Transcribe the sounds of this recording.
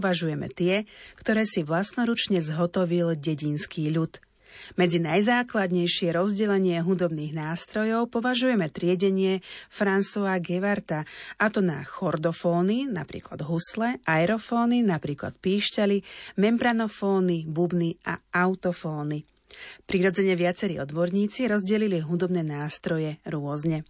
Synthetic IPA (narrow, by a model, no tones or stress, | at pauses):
ʋaʒujɛmɛ̰t̪ɪɛkt̪ɔɾɛːsiʋlasnɔɾut͡ʃɲɛzɦɔt̪ɔʋilɟɛɟinskiːʎut̪ | mɛd͡zinajzaːklad̪ɲɛjʃɪɛɾɔzɟɛlɛɲɪɛɦud̪ɔbniːɣnaːst̪ɾɔjɔʊpɔʋaʒujɛmɛt̪ɾɪɛɟɛɲɪɛfɾansɔaɡɛʋaɾt̪aʔat̪ɔna̰xɔɾd̪ɔfɔːnina̰pɾḭːkla̰d̪ɦuslɛʔaɛɾɔfɔːninapɾiːkla̰t̪̚piːʃcalimɛmbɾanɔfɔːnibubniʔa̰aʊt̪ɔfɔːni | pɾiɾɔd͡zɛɲɛʋɪat͡sɛɾḭːɔd̪bɔɾɲiːt͡siɾɔzɟɛliliɦud̪ɔbnɛːnaːst̪ɾɔjɛɾʊɔzɲɛ